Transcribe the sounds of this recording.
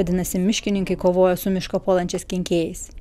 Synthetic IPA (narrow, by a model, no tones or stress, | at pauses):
d̪ʲɪnɐsʲɪmʲɪʃʲkʲɪnʲɪŋkɐɪkoːʋoːjɛsʊmʲɪʃkopoːlˠɐnʲt͡ʃʲɛɪsʲkʲɪŋʲkʲeːjɛɪs